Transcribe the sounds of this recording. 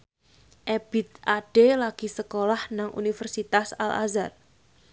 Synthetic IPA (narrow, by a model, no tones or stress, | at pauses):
ʔeb̥it̪̚ʔaɖ̥elaɡ̥i̤səkolahnaŋʔṵnifərsit̪asala̰zar